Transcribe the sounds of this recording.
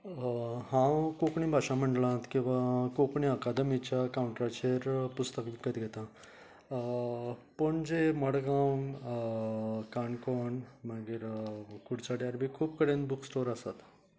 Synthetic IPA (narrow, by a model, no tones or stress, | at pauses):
ɦãkokɳĩbʱaɕam̤əɳɖlãt̪kĩw̃ʋakokɳiəkad̪əmit͡ɕjakauɳʈɾat͡ɕeɾpust̪əkʋikət̪ɡʱet̪ã | pəɳd͡zeməɽɡa | kaɳkɔɳmaɡiːɾkuɽt͡saɽjaɾbʱiːkʰuːpkəɽẽnbuksʈoɾəsat̪